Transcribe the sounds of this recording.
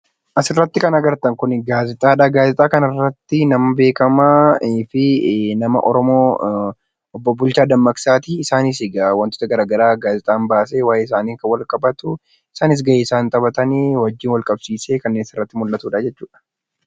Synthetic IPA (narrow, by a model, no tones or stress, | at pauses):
ʔɐsɪrːɐt̪ːɪkɐnɐɡɐɾt̪ɐŋkʊnɡaːzɪt̪ʼaːᶑaɡaːzɪt̪ʼaːkɐnɐrːɐt̪ːɪnɐmɐbe̞ːkɐmafɪnɐmɐ̰ʔɔɾɔmoː | ʔɔbːɔbʊlt͡ʃaːd̪ɐmːɐksaːt̪iɪsaːnɪs̬ɪɡɐwɐnt̪ɔ̥t̪ɐɡɐɾaːɡɐɾaːɡaːzɪt̪ʼaːmbaːs̬eːwaːjeːɪs̬aːniːŋkɐwɐlkʼɐbɐt̪ʊ | ɪsaːnɪs̬ɡɐjeːɪsaːnt̪ʼɐbɐt̪ɐneːwɐd͡ʒːɪːnwɐlkʼɐbsiːse̞ːkɐnːeːnɪsɪrːɐt̪ːɪmʊlːɐt̪uːᶑɐd͡ʒɛt͡ʃːuːᶑɐ̥